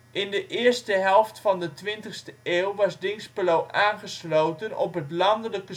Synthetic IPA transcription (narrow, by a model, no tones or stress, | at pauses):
ʔɪndəʔɪːrstəɦɛlˠftfɑndətʋɪntəχstəʔeːwʋɑsdɪŋsplowʔaːnχəslowtənɔ̰pɦətlɑndələkə